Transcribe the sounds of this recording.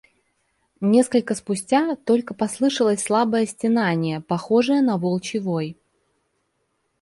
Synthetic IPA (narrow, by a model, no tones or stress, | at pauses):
nʲe̞skəlʲkəspʊsʲtʲat̪o̞lʲkəpɐslˠɨʂəlˠəsʲslˠabəjəsʲtʲɪnanʲɪjəpɐxo̞ʐɨjənɐvolˠt͡ɕɪvo̞j